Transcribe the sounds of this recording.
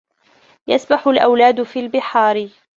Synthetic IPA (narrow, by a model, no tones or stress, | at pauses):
jasbaħʊlʔawlaːd̪fiːlbɪħɑːɾɪ